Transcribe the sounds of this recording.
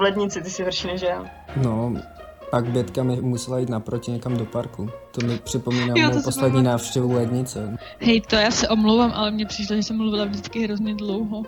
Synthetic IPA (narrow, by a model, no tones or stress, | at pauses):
vlɛd̪ɲɪt͡sɪt̪ɪsɪɦr̩ʃinɛʒɛlno | paɡbjɛt̪kamɪmusɛlajiːt̪napɾocɪɲɛkamdopaɾkut̪omɪpr̥ɪpomiːnamɛpost̪at̪ɲiːnaːfʃcɛvulɛd̪ɲɪt͡sɛ | hɛjt̪ojaːsɛʔomlowvaːmʔalɛmɲɛpr̥iːʃloʒɛsɛmːluvɪlavdɪt͡skɪɦɾozɲɛdlowɦo